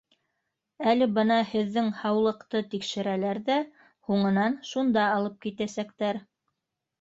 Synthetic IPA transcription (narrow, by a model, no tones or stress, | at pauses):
ælɘ̆bɤnɑhɘ̆ðːɘŋhɑwlˠɤ̆qt̪ɤt̪ikʃɘ̆ɾælæɾðæ | huɴɤ̆nɑnʃund̪ɑːlˠɤp̚kit̪æsækt̪æɾ